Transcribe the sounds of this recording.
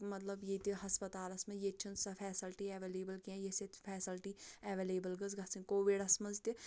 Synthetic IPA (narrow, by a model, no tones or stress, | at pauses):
mɐt̪lɐbjet̪iɦɐspɐt̪aːlɐsmɐ̃jet͡ʃʰɐnsɐfʰɛːsilʈiɛːʋeleːbəlkiɛ̃jeset̪pʰɛːsilʈiɛʋeleːbəlɡɐzɡɐsĩnkoːʋiɖɐsmɐ̃nzt̪i